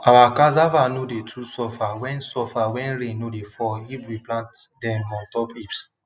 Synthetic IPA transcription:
awakazavanodetʰusɔfawɛ̃nsɔfawɛ̃nɾẽnːodefɔipwiplãnt | dɛ̃mmɔ̃ntɔpips

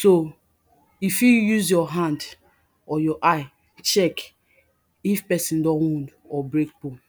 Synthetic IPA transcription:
so | ifjujuzjɔɦãnd | ɔjɔʔaɪ | t͡ʃɛk | ifpɛsĩndɔ̃nwũnd | ɔbɾek̚po

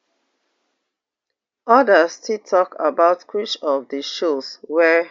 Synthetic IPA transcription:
ɔdəstʰitʰɔka̰baʊtkʰwit͡ʃɔfdəʃoswɛ

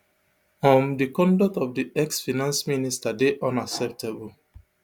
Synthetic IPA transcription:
ɔ̃mdikɔ̃ndɔk̚tɔfdiʔɛksfinãnsministadeʔɔ̃naksɛp̚tʰebul

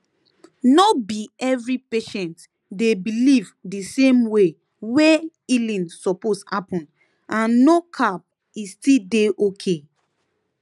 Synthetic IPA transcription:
nɔbiɛvɹipeʃɛ̃nt | debilivdisẽmwe | we | ilĩnsɔposhapɔ̃n | ãnːokʰap̚ | istideʔokʰe

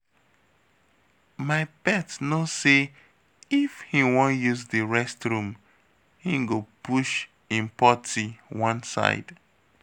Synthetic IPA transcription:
maɪbɛtnose | ifhĩwɔ̃njuzðɨɹɛstɹũm | hĩŋɡopuʃ | ĩnpɔtʰiwʌ̃nsa̰ɪd̥

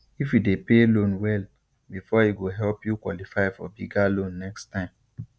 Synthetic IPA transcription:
ifjidepelõnwɛl | bifɔiɡoɦɛlpjukwɔ̰lifaɪfɔbiɡalõnːɛkstãɪ̃m

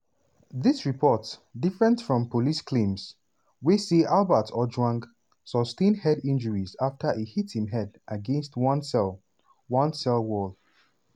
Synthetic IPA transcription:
ðisɹipʰɔtsdifɹɛ̃ntfɹɔ̃mpoliskʰlẽms | wesiʔalˠbətʰɔd͡ʒwãŋɡ | sɔstẽndhɛdĩnd͡ʒəɹizaftʰəʔehithĩmɦɛdʔəɡɛ̃nstwɔ̃nsɛl | wɔ̃nsɛlwɔlˠ

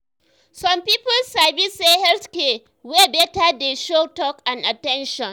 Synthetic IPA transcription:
sɔmpiːpʊlsabisehɛlske | webɛtadeʃotɔkanʔatɛnʃɔn

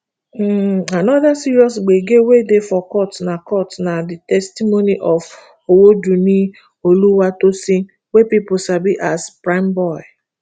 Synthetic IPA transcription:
m̩anɔðasiɾiɔs̬ɡ͡beɡewedefɔkɔtnakɔtnadɪtɛstimoniʔɔv | owod͡ʒunĩ | oluwatosi | wepipʊsabiʔaspɾãɪmbɔɪ

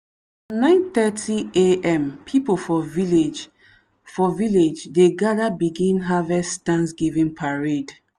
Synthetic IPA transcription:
nãɪ̃nθɛtʰieɛ̃mpʰipolfɔviled͡ʒ | fɔviled͡ʒdeɡadabiɡĩnɦavɛstãnsɡivĩnpʰaɹed

